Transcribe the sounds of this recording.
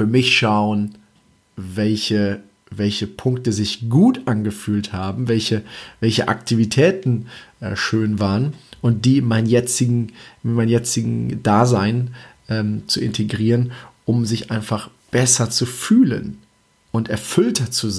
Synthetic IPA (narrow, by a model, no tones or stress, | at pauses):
fyːɐmɪçʃaʊən | vɛlçə | vɛlçəpʰʊŋk̚təzɪçɡ̥uːtʔanɡəfyːlthaːbm̩vɛlçəvɛlçəʔa̰ktʰivitʰɛːtn̩ʔʃøːnvaːʁənʔʊnt̚d̥iːmaɪnnjɛt͡sɪɡŋ̩maɪnjɛt͡sɪɡŋ̩daːzaɪnʔɛːmt͡suɪ̰ntʰeɡʁiːʁənʔʊmzɪçʔaɪnfaχ | b̥ɛsɐt͡sufyːlə̰n | ʔʊntʔɛɐfʏltʰɐt͡suz